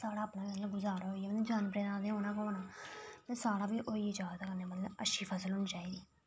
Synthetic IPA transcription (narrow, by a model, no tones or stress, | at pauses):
saːɽaːəpnãːbiːət̪ləbɡʊzaːɾaːɦoːiɛːməəd͡ʒaːnpɾeːd̪ãːd̪eːɦoːnãːkoːnaːt̪eːsaːɽãːbiːʔoːiːɪd͡ʒaːd̪aːkəɾneːmət̪ləbə̰ʃiːpʰəsəlɦʊːnit͡ʃaːiːd̪iː